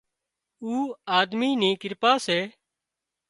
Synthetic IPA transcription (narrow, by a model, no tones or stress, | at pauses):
uːaːd̪miːniːkɪɾpaːseː